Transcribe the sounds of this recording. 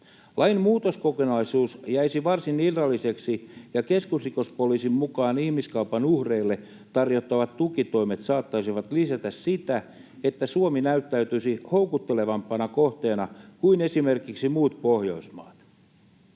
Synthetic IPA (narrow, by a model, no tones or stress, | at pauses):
lʔɑjmmuːt̪oskokonɑisuːsjæjsiʋɑrsinirːɑlːise̞ksijɑke̞skusriko̞spoliːsimmukɑːnihmiskɑupɑnuhreilːe̞ | t̪ɑrjo̞t̪ːɑʋɑt̪ːukit̪o̞ime̞t̪sɑːt̪ːɑsiʋɑt̪lisæt̪æssit̪æ | e̞t̪ːæsuominæyt̪ːæyt̪ysiho̞ukut̪ːe̞le̞ʋɑmpːˑɑnɑkoht̪e̞ːnɑkuine̞sime̞rkiksimuːt̪po̞hjo̞̰ismɑ̰ːt̪